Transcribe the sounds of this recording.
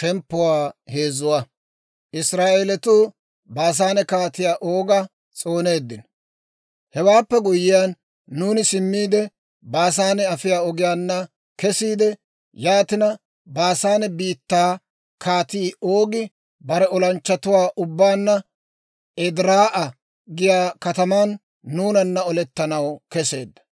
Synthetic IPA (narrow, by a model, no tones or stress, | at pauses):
t̪ɛmpːʊwaːhe̞ːzʊwa | ʔɪsɾaːʔelɛt̪uː | baːs̬aːnɛkaːt̪ɪjaːʔoːɡɐ | t͡sʼo̞ːne̞ːd̪ːɪn | hɛwaːpːɛɡʊjɪjaːnː | uːnɪsɪmːiːd̪ɛ | baːs̬aːnɛɐfɪjaːɔɡɪjaːnːɐ | kɛsiːd̪ɛ | jaːt̪ɪnɐ | baːsaːnɛbiːt̪ːaː | kaːt̪iːʔo̞ːɡɪ | bɐɾɛɔlɐnt͡ʃːɐt̪ʊwaːʔʊbːaːnːɐ | ɛd̪ɾaːʔɐ | ɡɪjaːkɐt̪ɐmanː | uːnɐnːɐɔlɛt̪ːɐnɐwkɛse̞ːd̪ːɐ̥